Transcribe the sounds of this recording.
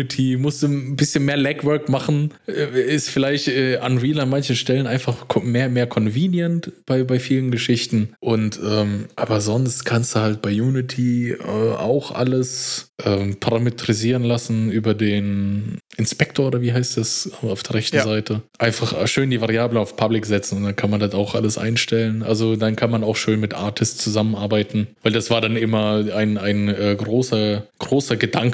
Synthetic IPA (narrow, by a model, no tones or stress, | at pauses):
tʰimʊstd̥uːbɪsçənmeːɐlɛkv̥œɐkmaχn̩ʔɛɪstfɪlaɪçtʔɛːʔanviːlanmançn̩ʃtɛlənʔaɪnfaχkʰmeːɐmeːɐkʰɔnviːnjəntb̥aɪbaɪfiːlənɡəʃɪçtn̩ʔʊntʔɛːmʔaːbɐzɔnstkʰanstd̥uːhalt̚b̥aɪjuːnɪtʰiɛ̰ːʔa̰ʊxʔa̰ləsʔɛːmpʰaʁametʁ̥iziːʁənlasn̩ʔyːbɐdeːnʔɪnspɛk̚tʰoːɐoːdɐviːɦaɪstd̥asɛaʊfd̥eːɐʁɛçtnzaɪtʰəʔaɪnfaχʃøːndiːvaʁiaːbləaʊfpʰablɪkz̥ɛt͡sn̩ʊntd̥ankʰanmandataʊxʔa̰ləsʔa̰ɪnʃtɛlənʔa̰lzodankʰanmanaʊxʃøːnmɪtʔa̰ɐtʰɪstt͡suzamənʔaɐbaɪtn̩vaɪldasv̥aːɐdanʔɪmɐaɪnaɪnɛːɡʁoːsɐɡ̥ʁoːsɐɡədaŋk